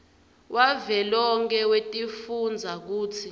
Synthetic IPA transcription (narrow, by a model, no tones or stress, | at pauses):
wʔavɛlɔŋkʰɛwetʼifund͡zʱak̬uːt͡sʰi